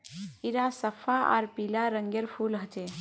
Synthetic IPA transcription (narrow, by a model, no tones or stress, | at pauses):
iɾasəpʰaa̰ɾpilaɾəŋɡjeɾpʰulɦət͡ʃe